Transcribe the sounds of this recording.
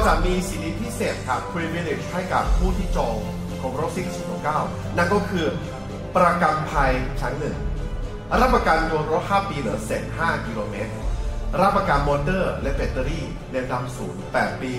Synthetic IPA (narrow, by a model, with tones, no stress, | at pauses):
ɔ˧t͡ɕa˨˩miː˧siː˨˦ni˦˥t̪̚ʰiː˥˩seː˨˩t̪̚kʰa˦˥ppʰɾiː˧miː˦˧˥le˨˦˩ha˥˩jka̰˨˩p̚pʰuː˥˩t̪ʰiː˥˩t͡ɕɔː˧ŋ | kʰɔː˩˦ŋɾo˦˥siː˨˩si˨˩p̚no˨˩kaː˥˩w | na˥˩nkɔː˥˩kʰɯː˧ | pɾa˧ka˧mpʰa˧jt͡ɕʰa˦˥ŋnɯ˨˩ŋ | ɾa˦˥˩p̚ʔaː˧kaː˧ndu˧ənɾo˦˥t̪̚haː˥˩piː˧ɾɯː˩˦seː˨˩˦nɦaː˥˩ki˧loː˧meː˦˥t̪̚ɾa˦˥˩p̚ʔaː˧kaː˧nmɔː˧ndɤː˥˩lɛ˦˥ʔbe˨˩t̪ːə˧ɾiː˥˩ | leː˧wda˧msuː˩˦npɛː˨˩t̪̚piː˧